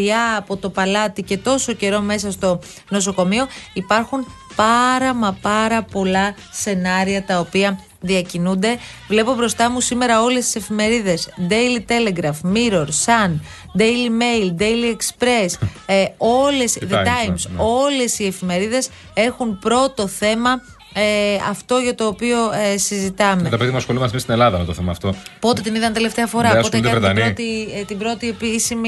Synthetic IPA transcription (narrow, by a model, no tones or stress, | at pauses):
iɐːpo̞t̪o̞pɐlɐt̪ice̞t̪o̞so̞ce̞ɾo̞me̞s̬ɐst̪o̞ | no̞s̬o̞ko̞mio̞ipɐɾxun | pɐɾɐmɐpɐɾɐpo̞lɐ | se̞nɐɾiɐt̪ɐopiɐ | ðiɐcinund̪e̞ | vle̞po̞bɾo̞st̪ɐmusime̞ɾɐo̞lest̪i̥se̞fime̞ɾiðe̞zd̪ejlit̪e̞le̞ɡɾɐfmiɾo̞ɾsɐn | d̪ejlime̞jld̪ejliekspɾe̞s | o̞le̞sðet̪ɐjmso̞le̞sie̞fime̞ɾiðe̞s | e̞xunpɾo̞t̪o̞θe̞mɐ | eɐft̪o̞ʝɐt̪o̞ːpio̞esizit̪ɐmet̪ɐpeðimɐsxolimɐsmist̪ine̞lɐðɐmet̪oθemɐːft̪opo̞t̪e̞t̪iniðɐnt̪e̞le̞ft̪e̞ɐfo̞ɾɐot̪eɐɾet̪ɐniot̪it̪ibɾo̞t̪iepisimi